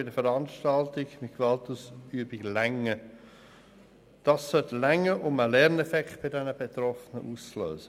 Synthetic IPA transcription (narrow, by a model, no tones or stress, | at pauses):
ɪdəfəɾɑnʃtɑltɪɡmɪt̚kʋɑltuːsyəbɪɡlɛŋə | d̥ɑsːœtlɛŋəʔʊməlɛʁnɛfɛkχt̚b̥ɪdɛnəbet̪ɾɔfənəʔuːst͡slø̰ːsə